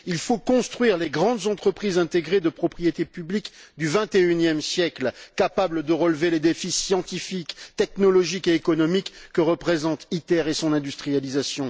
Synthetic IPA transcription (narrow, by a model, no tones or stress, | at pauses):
ilfokɔ̃st̪χɥiʁleɡʁɑ̃d̪zɑ̃t̪χəpχizɛ̃t̪eɡʁed̪əpχɔpχijet̪epyblikd̪yvɛ̃t̪eynjɛmsjɛklkapabləd̪əʁəlveled̪efisjɑ̃t̪ifikt̪ɛknɔlɔʒikeːkɔnɔmikːəʁəpχezɑ̃t̪it̪ɛʁesɔ̃nɛ̃d̪yst̪χijalizasjɔ̃